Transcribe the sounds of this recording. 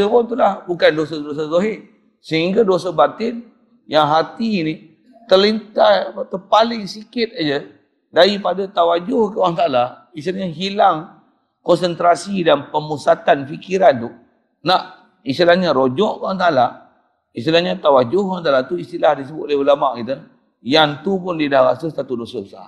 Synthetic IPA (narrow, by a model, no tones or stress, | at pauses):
əpɔt̪ulahbukandosados̬azoɦɪʔ | səɦiŋɡadosabat̪ɪn | jaŋɦat̪ini | t̪əlint̪at̪əpalɪŋsikɪt̪̚ad͡ʒə | daɾipadat̪awad͡ʒʊhkəwaŋt̪ala | ist̪ilaɲaɦilaŋ | kɔnsənt̪ɾasidanpəmusat̪anfikiɾant̪u | naʔ | ist̪ilahɲaɾod͡ʒɔʔkəwaŋtala | ist̪ilahɲat̪awad͡ʒʊhkant̪̬alat̪uist̪ilahdis̬əbʊt̪̚lahulamaʔkit̪u | jant̪upʊndidahɣasəsat̪udosəbəsa̰